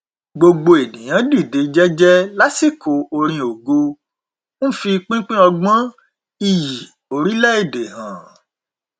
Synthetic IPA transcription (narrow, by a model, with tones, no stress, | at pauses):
ɡ͡bo˧ɡ͡bo˧e˨nĩ˨j̃ã˨˦di˦˨de˨˦d͡ʒɛ˦d͡ʒɛ˦la˦si˦˨ko˨o˧ɾ̃ĩ˧o˨ɡo˧ | n̩˦fi˧k͡pĩ˦k͡pĩ˦ɔ˧ɡ͡bã˦ | i˦˨ji˨ | o˨ɾi˨˦lɛ˦e˦˨de˨hã̰˨